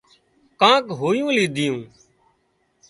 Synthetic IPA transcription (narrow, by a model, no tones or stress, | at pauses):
kãːkɦoːjũːliːd̪ʱɪjũː